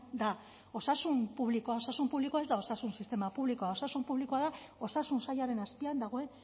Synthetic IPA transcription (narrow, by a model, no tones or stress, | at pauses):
d̪a | o̞sasumpuβ̞likoao̞sasumpuβlikoae̞zd̪ao̞sasunsist̪e̞mapuβlikoao̞sasumpuβlikoaða | o̞sasunsajaɾe̞naspiand̪aɣ̞o̞e̞n